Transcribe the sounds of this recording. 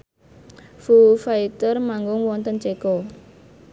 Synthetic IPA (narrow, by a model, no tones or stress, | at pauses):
fufait̪ərmaŋɡʊŋwɔnt̪ənt͡ʃekɔ